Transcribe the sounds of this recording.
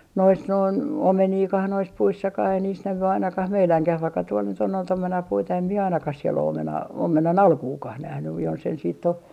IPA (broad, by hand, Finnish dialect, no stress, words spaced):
nois noin omeniːkɑh nois puisːɑkɑh ei niːs næʋy ɑinɑkɑh meilæŋkæh ʋɑikːɑ tuol nyt on noit omenɑpuitɑ em mie ɑinɑkɑh siel o omenɑː omenɑnɑlkuːkɑh næhnyj jonsen siːtː o